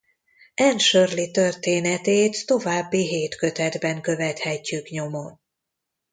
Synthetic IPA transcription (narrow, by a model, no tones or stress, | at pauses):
ɛnʃørlit̪ø̞rt̪eːnɛt̪eːt̪ːo̞vaːbːiɦeːt̪kø̞t̪ɛd̪bɛŋkø̞vɛt̪hɛcːykɲo̞mo̞n